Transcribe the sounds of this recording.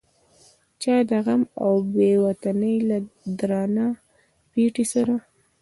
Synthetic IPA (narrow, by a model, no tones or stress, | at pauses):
t͡ʃɑd̪aɣamawbewat̪anəjlad̪ɾɑna | piʈisaɾa